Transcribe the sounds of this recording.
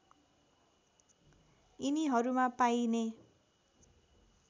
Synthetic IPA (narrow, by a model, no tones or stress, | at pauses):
iniɦʌɾumapajne